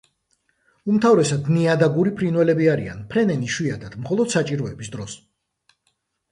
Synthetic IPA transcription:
umt̪ʰavɾɛsad̪niad̪aɡuɾipʰɾinwɛlɛbiaɾia̰npʰɾɛnɛniʃwiad̪ad̪̥mχɔlˠɔd̪̥sat͡ʃʼiɾɔɛbisd̪ɾɔs

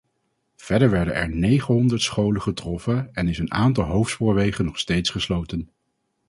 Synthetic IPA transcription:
v̥ɛdəɹʋɛɹdənɛ̰ɹnejχəɦɔndəɹtsχowləχətrɔfəɛnɪsəna̰ːntɑlˠɦowftspʊːɹʋejχənːɔχstejtsχəslowtən

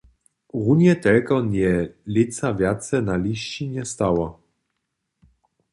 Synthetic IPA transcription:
ɣunjɛt̪ɛlkɔnʲɛlʲit̪savjat̪sɛnalʲiɕt͡ɕiɲɛst̪awa

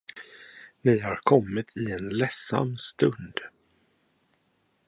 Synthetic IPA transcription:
nɪjhaɾkʰɔmːɪt̪ʰɪɛnlɛsa̰mst̪ɵnd̪̥

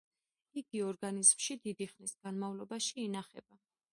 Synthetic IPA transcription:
iɡiɔɾɡanizmʃid̪id̪iχnisɡ̥anmavlˠɔbaʃiːnaχɛ̰ba

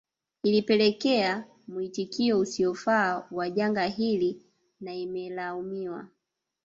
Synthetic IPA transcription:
ilipɛlɛkɛa | muitikiɔusiɔfaːwaʄaŋɡaɦili | naimɛlaumiwa̰

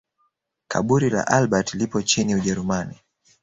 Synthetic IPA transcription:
kʰa̰ɓuɾila̰ʔalɓatlipɔt͡ʃiniuʄɛɾumani

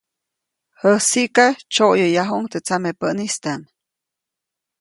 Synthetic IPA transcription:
həsikat͡ʃojojaɦuŋt̪et͡samepənist̪an

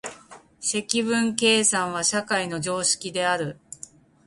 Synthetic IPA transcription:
se̞kʲiβɯ̟̃ŋke̞ːsãɰ̃β̞aɕakaino̞ʑo̞ːɕi̥kʲid̪e̞aɾɯ̟

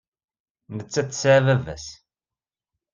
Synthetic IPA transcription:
nət͡sːæt͡sːsʕvævæ̰s

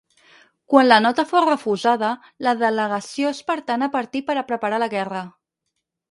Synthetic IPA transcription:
kwanlənɔt̪əforəfuzaðə | ləðələɣəsioespəɾt̪anəpəɾt̪ipəɾəpɾəpəɾaləɣɛrə

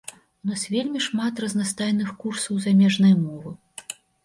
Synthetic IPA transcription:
unasvʲelʲmʲiʂmat̪rɐznast̪ajnɨxkursɐwzamʲɛʐnɐjmɔvɨ

